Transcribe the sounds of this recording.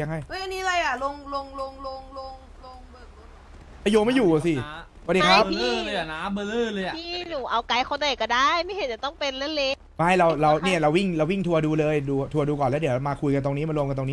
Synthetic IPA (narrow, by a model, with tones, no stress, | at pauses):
a˧ŋɦa˥˩jʔɤː˦˥˩jʔa˧nːiː˧˥˧la˧jʔa˨˩lo˧ŋlo˧ŋlo˧ŋlo˧ŋlo˧ŋ | lo˧ŋː˧˩˧ | ʔaː˧˩joː˧ma˥˩jːuː˨˩a˨˩si˨˩ | ɔ˧˨˩dːi˧kʰɾa˦˥p̚ɯ˥˩lːja˨˩naː˦˥mbɤː˧lɯː˥˩lɤː˧jʔa˨mʰiː˧˩nuː˨˦ʔa˧wka˧˥jkʰo˧nt̪a˨˩kɔ˥˩daː˥˩jma˥˩jhe˨˦t͡ɕa˨˩t̪ɔ˥˩ŋpe˧nlɛ˦˥le˦˥ | ma˥˩jɾa˧wɾa˧wni˥˩ɐɾa˧wːi˥˩ŋɾa˧wi˥˩ŋt̪ʰu˧ɐduː˧lɤː˧jduː˧t̪ʰu˧ɐduː˧kɔː˨˩nlɛː˦˥di˩˦maː˧kʰu˧jka˧nt̪o˧ŋniː˦˥ma˧lɾu˧əmka˧nt̪o˧ŋnː˦˥